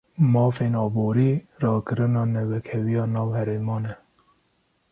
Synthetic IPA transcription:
mɑːfeːnɑːboːɾiː | rɑːkɨɾɨnɑːnɛwɛkʰɛwijɑːnɑːwhɛɾeːmɑːnɛ

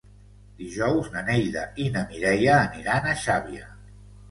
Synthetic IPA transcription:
d̪iʒɔwznənejʎðəinəmiɾɛjəːniɾanəʃaβiə

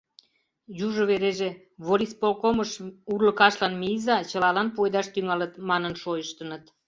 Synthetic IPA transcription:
juʒəβeɾeʒe | βoɾispolkoməʃurləkɑʃlɑnmizɑt͡ɕəlɑlɑnpuejd̪ɑʃt̪yŋɑlət̪mɑnənʃojəʃt̪ənət̪

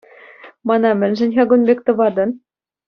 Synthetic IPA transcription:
mɑnɑmɘ̆nʲʒɘ̆nʲxɑɡŏnbek̚t̪ɤ̆βɑd̪ɤ̆n

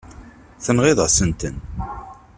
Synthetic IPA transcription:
θənʁɪðˤəsənt̪ən

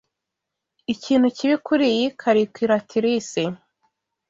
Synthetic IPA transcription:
iciːn̥huciβikuɾijikʰaɾikiɾatʰiɾise

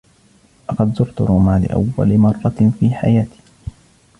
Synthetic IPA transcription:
ʔɑqɑd̪zʊɾt̪ʊɾˤuːmaːlɪ̰ʔa̰wːa̰lɪmɑrˤːɑfiːħa̰jaːt̪i̥ː

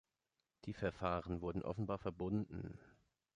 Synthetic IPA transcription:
d̥iːfɛɐfaːʁənvʊɐdn̩ʔɔ̰fn̩baːɐfɛɐbʊndn̩

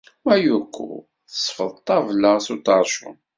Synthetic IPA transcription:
mæjukʷʰːṵ | θəsˤfəðˤt̪ˤːɑvləʁsut̪əɾˤʃʊ̰n

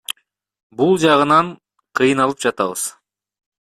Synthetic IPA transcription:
bulˠd͡ʒɑʁɯnɑɴ | qʰɯjɯnɑlˠɯpd͡ʒɑt̪ɑβɯ̰z̥

